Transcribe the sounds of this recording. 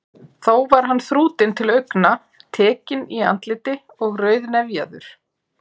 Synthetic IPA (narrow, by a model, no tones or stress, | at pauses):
θowvaɾ̥ɦanːθɾuːt̪ɪnt̪ʰɪlœɥkna | t̪ʰɛːcɪnia̰nt̪lɪt̪ɪ | ɔɣrœːɥðnɛvjaðʏ̰ɾ̥